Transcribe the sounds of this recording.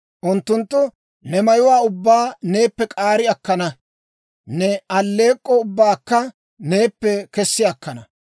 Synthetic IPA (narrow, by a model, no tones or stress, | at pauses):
ʔʊnt̪ːʊnt̪ːʊ | nɛmɐjʊwaːʊbːaːne̞ːpːɛkʼaːɾɪɐkːɐnɐ | nɛʔɐlːe̞ːkʼːɔʊbːaːkːɐ | ne̞ːpːɛkɛsːɪɐkːɐnɐ